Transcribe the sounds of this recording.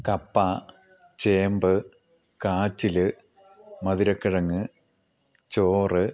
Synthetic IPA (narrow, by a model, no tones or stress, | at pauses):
kɐpːa | t͡ɕeːmbɨ | kaːt͡ɕːilɨ | mɐðiɾɐkːiɻɐŋːɨ | t͡ɕoːrɨ